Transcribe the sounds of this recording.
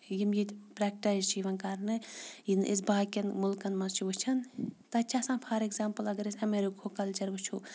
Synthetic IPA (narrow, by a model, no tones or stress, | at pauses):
jimjipɾɛk̚ʈajzt͡ʃʰiʋɐnkɐɾnɨjinʔḭs̬baːkʲɐnmulkɐnmɐzt͡ʃʰiʋut͡ʃʰɐnt̪ɐt͡ʃʰasãːnpʰɐɾeɡzaːmpɐlɐɡɐɾɐsɐmeɾikʰokɐlt͡ʃɐɾbɨt͡ʃʰu